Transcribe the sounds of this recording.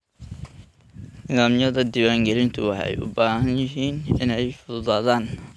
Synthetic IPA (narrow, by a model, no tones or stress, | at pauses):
nɪðaːmjɐðɐd̪iːwaːŋɡɛlɪnt̪ʰʊwɑħɛ̰jʔʊ̰baːɦɐnjɪɦiːnɪnɛjfʊðʊðaːðaːn